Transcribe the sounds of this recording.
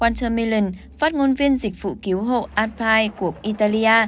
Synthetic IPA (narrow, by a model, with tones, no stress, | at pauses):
kwaː˧nt̪ʰəː˧mi˧lə˨˧˩n | faː˦˥t̚ŋo˧nvi˧ənzï˨˩k̟̚v̥ṵ˧˨ki˨˦əwɦo̰˧˨ʔaː˧n̚pʰaː˧jku˧˩əkʔi˧t̪aː˧li˧ʔaː˧